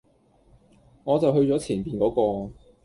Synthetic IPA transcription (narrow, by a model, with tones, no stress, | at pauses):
ŋɔː˨˧t͡sɐ˨wɦɵ˧ɥt͡sɔː˨˥t͡sʰiː˨˩npiː˨nkɔː˨˥kɔː˧